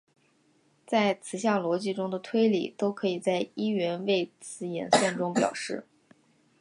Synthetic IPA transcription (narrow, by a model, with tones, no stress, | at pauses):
t͡sa˥˩ɪt͡sʰɹ̩˧˩ɕ̬ja˥˩ŋlwɔ˧˥t͡ɕi˥˩ʈ͡ʂʊ˥ŋd̪ə˨t̪ʰwe˥ɪlḭ˨˩t̪o˥ʊkʰɤ˧˥i˨˩t͡sa˥˩ɪi˥ɥɛ˧˥nwe˥˩ɪt͡sʰɹ̩˧˥jɛ̰˨˧˩nsjɛ˥˩nʈ͡ʂʊ˥ŋpjɑ̰˨˩ʊʂɻ̩˥˩